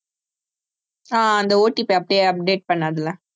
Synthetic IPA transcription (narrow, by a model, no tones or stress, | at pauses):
aːɐnd̪ɐoːʈːipeɐpːɽɪjeɐp̚ɖeːʈ̚pɐɳːaːðɐlãː